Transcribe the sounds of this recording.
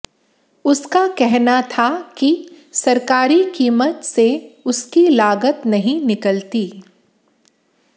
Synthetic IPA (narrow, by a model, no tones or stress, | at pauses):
ʊskakɛɦnat̪ʰaki | sɐɾkaːɾikiːmət̪seʊskilaːɡət̪nɐɦĩnɪkəlt̪iː